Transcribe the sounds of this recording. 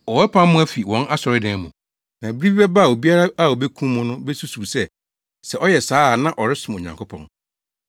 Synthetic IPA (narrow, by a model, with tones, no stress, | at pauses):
ɔ˨wɛ˦pʰã˦m˦mʊ̃˦æ˦fi˨wɔ̃˦na˦sɔ˨ɾɪ˦dɛ̃ː˨˦mũ˨ | nã˨bɪ˦ɾi˦bi˦bɛ˦ba˦˨o˨bi˦a˦ɾa˦a˦o˨be˦kʰũ˦mʊ̃˦nʊ̃˦bɛ˦su˦su˨sɛ˦ | sɛ˨ʔɔ˦jɛ˨saː˦˨nã˦ʔɔ˨ɾɪ˦sʊ̃˨m˨o˨ɲã̰˨ŋkʰo˦pʰɔ̰̃˨n